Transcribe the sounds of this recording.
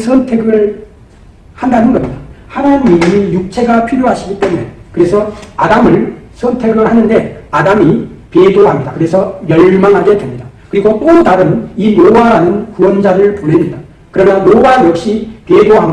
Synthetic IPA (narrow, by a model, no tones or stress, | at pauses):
sʰʌntʰe̞ɡɯɭ | handanɯnɡʌmɲidahanaɲimiɯmijuk̚t͡ɕʰe̞ɡapʰiɾjoɦaɕʰiɡit͈e̞mune̞̰kɯɾe̞sʰʌadamɯɭsʰʌntʰe̞ɡɯɭɦanɯnde̞adamipedoɦamɲidakɯɾe̞sʰʌjʌɭmaŋɦaɡe̞dwemɲida | kɯɾiɡot͈odaɾɯninowaɦanɯnkuwʌnd͡ʑaɾɯɭponemɲida | kɯɾʌmjʌnnowajʌk̚ɕ͈ipedoɦam